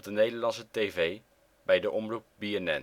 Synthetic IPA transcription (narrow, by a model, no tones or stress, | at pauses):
dənejdəɹlɑnsətevej | bɛjdəʔɔmrup̚biɛnɛn